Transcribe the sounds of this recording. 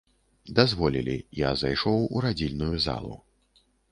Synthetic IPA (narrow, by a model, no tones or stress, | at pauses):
d̪azvɔlʲilʲḭja̰zajʂɔwuɾad͡zʲilʲnujuza̰lˠṵ